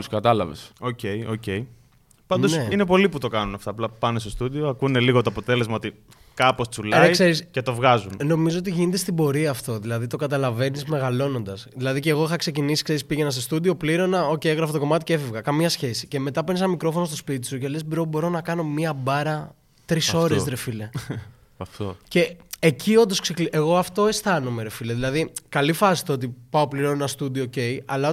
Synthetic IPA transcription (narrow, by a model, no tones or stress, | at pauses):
uskɐt̪ɐlɐ̰vḛsoce̞io̰cei | pɐnd̪oeinepo̞liput̪o̞kɐnunɐft̪ɐːplɐpɐnest̪ost̪ud̪ioɐkune̞liɣot̪oɐpo̞t̪e̞le̞zmɐot̪i | kɐpo̞st͡sulɐiseɾisce̞t̪o̞vɣɐzunno̞mizoot̪iʝinet̪est̪ibo̞ɾiɐːft̪o̞ðilɐðit̪okɐt̪ɐlɐve̞nizme̞ɣɐlo̞no̞nd̪ɐsðilɐðice̞ːɣo̞ixɐkse̞cinisi̥kse̞ɾispiʝenɐst̪ost̪ud̪io̞pliɾo̞nɐocejeɣɾɐfɐt̪o̞ko̞mɐt̪iceefevɣɐkɐmɲɐsçe̞si̥ce̞me̞t̪ɐpuinesɐnɐmikɾo̞fo̞nost̪ospit̪̬i̥sucelezbɾo̞bo̞ɾo̞nɐkɐno̞miɐbɐɾɐ | t̪ɾiso̞ɾesɾefile̞ | ftce̞ːcʰio̞nd̪oskseklʔeɣo̞ɐft̪oest̪ɐnomeɾe̞file̞ðilɐðikɐlifɐsi̥t̪oot̪ipɐo̞pliɾo̞nenɐst̪ud̪iooce̞jɐlɐ